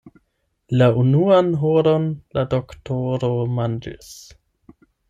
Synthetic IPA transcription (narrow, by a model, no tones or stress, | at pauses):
launuanɦoɾonladoktoɾomand͡ʒḭs